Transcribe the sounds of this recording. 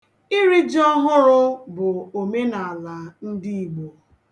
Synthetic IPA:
ɪ˦ɾi˦d͡ʒɔ˦ɦʊ˦ɾʊ˦bʊ˨o˨me˦na˨a˨la˨n̩˦di˦i˨ɡ͡bo˨

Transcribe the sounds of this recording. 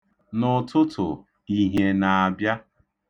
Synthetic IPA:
nʊ˨tʊ˦tʰʊ̰˨ | i˦ɦe˨na˨a˨bja˦

